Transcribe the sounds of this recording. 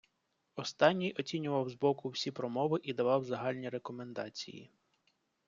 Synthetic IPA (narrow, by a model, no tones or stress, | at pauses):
ɔst̪ɑnʲːijɔt͡sʲinʲʊʋɐwzbɔkʊwsʲipɾɔmɔʋɪʔid̪ɐʋɑwzɐɦɑlʲnʲiɾekɔmend̪ɑ̰t͡sʲḭjḭ